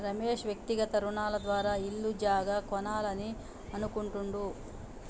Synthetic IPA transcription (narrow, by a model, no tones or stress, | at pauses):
ɾɐmeːʂʋjɐk̚t̪iɡɐt̪ɐɾuɳaːlɐd̪ʋaːɾaːilːud͡ʒaːɡɐkɔnaːlɐni | ɐnukuɳʈuɳɖu